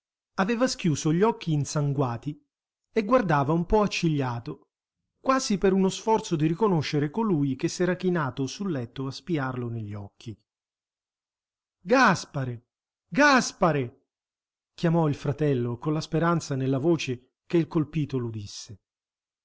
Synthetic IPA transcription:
aveːvaskjuːzoʎːɔkːiːnsaŋɡwaːt̪i | eɡːward̪aːvaumpɔat͡ʃːiʎːaːt̪o | kwaːzipeɾunosfɔrt̪sod̪iɾikonoʃːeɾekolujk̟esːɛːɾak̟inaːt̪osulːɛt̪ːoaspiarloneʎːɔkʰːi | ɡaspaɾe | ɡaspaɾe | k̟jamɔilfɾat̪ɛlːokonlaspeɾant̪sanelːavoːt͡ʃe | keilkolpiːt̪olud̪isːe

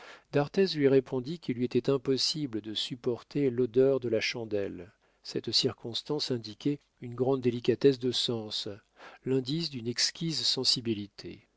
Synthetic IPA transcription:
d̪̥aʁt̪ɛzlɥiʁepʰɔ̃d̪ikʲʰilːɥiet̪ɛt̪ɛ̃pɔsibləd̪əsypɔʁt̪ʰelod̪œʁd̪əlaʃɑ̃d̪ɛl | sɛt̪siʁkɔ̃st̪ɑ̃sɛ̃d̪ikʲɛ | ynɡʁɑ̃d̪ːelikʲat̪ɛsd̪əsɑ̃s | lɛ̃d̪isd̪ynɛkskʲizsɑ̃sibilit̪ʰḛ

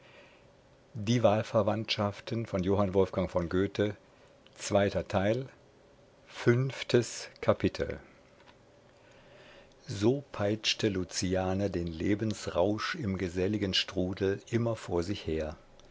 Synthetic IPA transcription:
diːvaːlfɛɐvantʃaftənfɔnjoːɦanvɔlfɡ̥aŋfɔŋɡøːtʰə | t͡sv̥aɪtɐtʰaɪl | fʏnftʰəskʰapʰɪtʰl̩ | zoːpʰaɪt͡ʃtəlut͡siaːnadeːnleːbənsʁaʊʃɪmɡəzɛlɪɡənʃtʁ̥uːdl̩ʔɪmɐfoːɐzɪçheːɐ

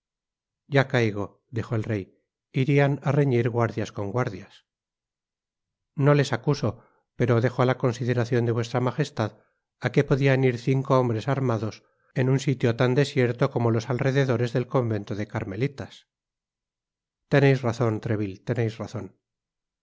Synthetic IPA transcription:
ɟ͡ʝakajɣ̞o̞ | d̪ixo̞elre̞j | iɾianare̞ɲiɾɣwaɾðjasko̞ŋɡwaɾðjas | no̞le̞sakuso̞ | pe̞ɾo̞ðe̞xoalako̞nsiðe̞ɾaθjo̞nd̪eβwe̞st̪ɾamaxe̞st̪að | ake̞po̞ðianiɾθiŋko̞ombɾe̞saɾmaðo̞s | e̞nunsit̪jo̞t̪and̪e̞sje̞ɾt̪o̞ko̞mo̞lo̞salre̞ðe̞ðo̞ɾe̞zðe̞lko̞mbe̞nt̪oðe̞kaɾme̞lit̪as | t̪e̞nejsraθo̞nt̪ɾe̞βilt̪e̞nejsraθo̞n

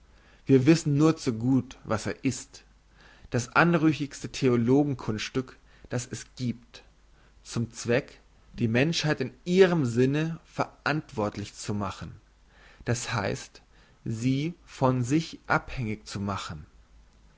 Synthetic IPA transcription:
viːɐvɪsn̩nuːɐt͡suɡuːtvaseːɐʔɪst | d̥asʔanʁʏçɪçstətʰeoloːɡŋ̩kʰʊnsʃtʏk | d̥asɛsɡ̥iːp̚t | t͡sʊmt͡sv̥ɛk | d̥iːmɛnʃhaɪtɪnʔiːʁəmzɪnəfɛɐʔantv̥ɔɐtlɪçt͡sumaχn̩ | d̥ashaɪst | ziːfɔnzɪçʔa̰phɛŋɪçt͡sumaχən̩

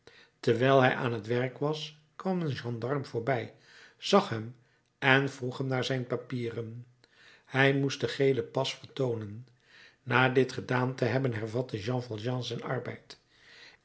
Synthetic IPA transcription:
təɹʋɛjlˠɦɛjʔa̰ːnɦətʋɛɹkʋɑs | kʋɑmənʒɑ̃ndɑɹmvʊːɹbɛj | z̥ɑχɦɛm | ɛnvruχɦɛmnaːɹzɛjnpapiːrən | hɛjmustdəχejləpɑsfəɹtownənː | aːdɪtχədaːntəɦɛbənɦɛɹvɑtəʒɑ̃ːfvɑlˠʒɑ̃ːzɛjnɑ̰ɹbɛ̰jt

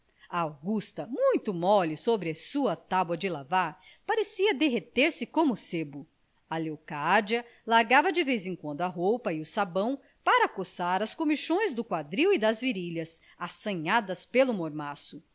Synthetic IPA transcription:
ɐawɡust̪ɐmũj̃t̪ʊmɔlisobɾɪɐsuɐt̪abwɐd͡ʒɪlavaɾpaɾesiɐd̪eɦet̪eɾsɪkõmʊsebʊ | ɐlewkad͡ʒiɐ | laɾɡavɐd͡ʒɪvejzẽŋkwɐ̃nd̪ʊɐɦowpɐiʊsabɐ̃w̃ | paɾɐkosaɾɐskõmiʃõj̃zd̪ʊkwad̪ɾiwid̪ɐzviɾiʎɐs | asɐ̃ɲad̪ɐspelʊmoɾmasʊ

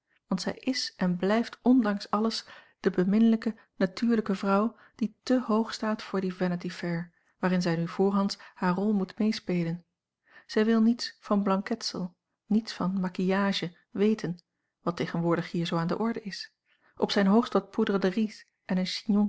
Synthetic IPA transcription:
ʋɑntsɛjʔɪsʔɛnblɛjftɔndɑŋsɑləs | d̥əbəmɪnələkə | natyːɹləkəvrʌw | d̥itəɦowχstaːtfʊːɹdivɛnətifɛɹ | ʋaːɾɪnzɛjnyv̥ʊːɹɦɑntshaːɹrɔlˠmutmejspejlən | z̥ɛjʋɪlˠnitsfɑnblɑŋkɛtsəlˠ | nitsfɑnmakijaːʒə | ʋejtʰən | ʋɑtejχənʋʊːɹdəχɦiːɹzowaːndə̰ʔɔɹdəɪs | ʔɔpsɛjnɦowχstʋɑt̚pudəʁəndəris | ʔɛnənʃinɔŋ

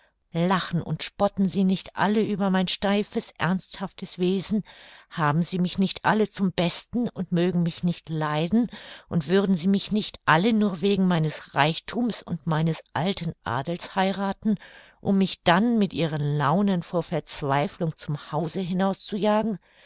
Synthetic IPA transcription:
laχn̩ʊ̰ntʃpɔtn̩ziːnɪçtʔa̰ləʔyːbɐmaɪnʃtaɪfəsʔɛ̰ɐnsthaftəsv̥eːzn̩haːbm̩ziːmɪçnɪçtʔa̰lət͡sʊmbɛstn̩ʊntmøːɡŋ̩mɪçnɪçtlaɪdn̩ʔʊntv̥ʏʁdn̩ziːmɪçnɪçtʔalənuːɐveːɡŋ̩maɪnəsʁaɪçtʰuːmsʊ̰ntmaɪnəsʔaltən̩ʔa̰ːdl̩shaɪʁaːtn̩ | ʔʊmːɪçd̥anmɪtʔiːʁ̞ənlaʊnənfoːɐfɛɐt͡sv̥aɪflʊŋt͡sʊmhaʊzəɦɪnaʊst͡sujaːɡŋ̩

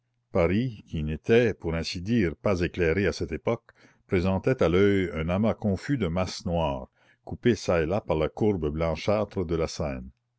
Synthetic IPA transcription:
paɾikʲʰinet̪ʰɛpuɾɛ̃sid̪iːʁpazeklɛɾeasɛt̪epɔk | pɾezɑ̃t̪ɛt̪alœjœ̃namakɔ̃fyd̪əmasnwaːʁ | kupesaelapaʁlakuʁbəblɑ̃ʃaːt̪ɾəd̪əlasɛːn

